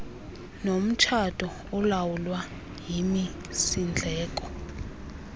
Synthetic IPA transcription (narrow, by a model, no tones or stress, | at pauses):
nom̩t͡ʃʰatʼɔ | ɔlawulwa | jimi | sind͡ɮʱɛːkʼɔ